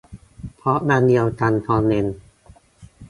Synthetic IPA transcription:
pʰɔ˦˥naː˧ndi˧əwt̪ʰa˧nt̪ʰɔː˧ne˧n

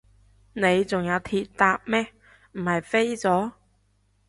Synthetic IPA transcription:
ne˨˧jt͡sʊ˨ŋjɐ˨˧wt̪ʰiː˧t̚t̪aː˧p̚mɛː˥ | m̩˨˩hɐ˨jfe˥jt͡sɔː˨˥

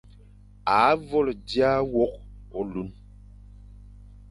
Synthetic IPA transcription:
a˨˦vɔ˦ldja˦wɔ˦k̚pɔ˨˦lu˦n

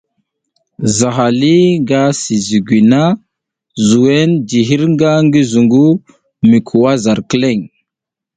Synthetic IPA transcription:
za˨ɦa˨li˦ŋɡa˦si˨zi˨ɡi˨na˦ | zu˨we˦nd͡ʒi˨ɦi˦ɾŋɡa˦ŋɡi˦zu˨ŋɡu˦ | mi˨kʰu˨wa˦za˨ɾkə˦le˦˨ŋ

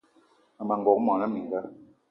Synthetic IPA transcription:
a˨ma˨ŋ˨ɡɔ˨k̚mɔ˨na˦mi˨la˦

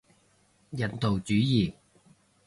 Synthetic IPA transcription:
jɐ˨˥nt̪o˨wt͡syː˨˥jiː˨˩

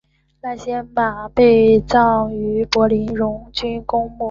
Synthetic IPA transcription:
na˥˩ɕjɛ˥nma˨˩pe˥˧ɪt͡sɑ˥˩ŋy˧˥pwɔ˧˥li˧˥nɻʊ˧˥ŋt͡ɕy˥nkʊ˥ŋmɔ˥˩

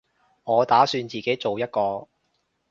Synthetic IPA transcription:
ŋɔː˨˧t̪aː˨˥syː˧nt͡siː˨ke˨˥jt͡so˨wjɐ˥t̚kɔː˧

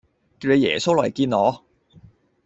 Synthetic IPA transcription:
kiː˧nle˨˧jɛ̰ː˨˩so˥wlɔː˨˩jkiː˧nɔː˨˧

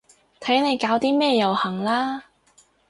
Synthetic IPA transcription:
t̪ʰɐ˨˥jne˨˧jkaː˨˥wt̪iː˥mɛː˥jɐ˨whɐ˨˩ŋlaː˥

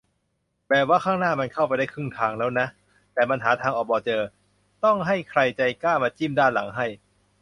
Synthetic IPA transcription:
bɛː˨˩waː˥˩kʰaː˥˩ŋnaː˥˩ma˧nkʰa˥˩wp̬a˧jda˥˩kʰɯ˥˩ŋt̪ʰaː˧ŋlɛː˦˥wna˦˥ʔ | t̪ɛː˨˩pa˧nɦaː˩˦t̪ʰaː˧ŋʔɔː˨˩bɔː˧t͡ɕɤː˧ | t̪ɔ˥˩ŋɦa˥˩jkʰɾa˧jt͡ɕa˧jkaː˥˩maː˧t͡ɕiː˥˩mdaː˥˩nla˩˦ŋɦa˥˩j

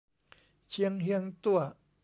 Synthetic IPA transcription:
t͡ɕʰi˧˥əŋhi˧ə˧ŋt̪u˥˩ɐ

